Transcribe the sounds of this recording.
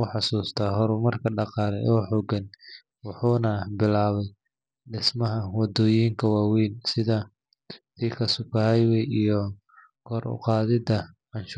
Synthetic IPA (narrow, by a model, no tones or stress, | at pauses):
ʊħɑsuːst̪ʰɐɦɔɾʊmɐrkʰɐɖɑqɑːlɛ̰ʔɔːħɔɡɐn | wʊħuːnɐbɪlaːβɛj | ɖɪsmɐɦɐwɑd̪ɔːjiːŋkʰɐwɑːwiːnsɪðɐ | t̪ʰiːkʰɐsʊkɐhɛjwɛjijɔ | kʰɔːrʊ̰qɑːðɪd̪ɐʕɑnʃː